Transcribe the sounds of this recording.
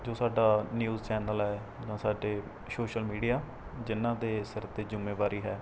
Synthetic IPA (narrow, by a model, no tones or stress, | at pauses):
d͡ʒoːsaːɖaːnjuːzt͡ʃɛːnəlɦɛː | d͡ʒãːsaːɖeː | soːʃəlmiːɖijaː | d͡ʒɪnːãːd̪eːsəɾt̪eːzʊmːeːʋaːɾiːɦɛː